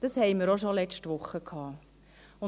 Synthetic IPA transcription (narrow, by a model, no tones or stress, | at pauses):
d̥ɑshɛɪməɾoʃɔlɛt͡ʃtʋʊχːəkʰɑː | ʊ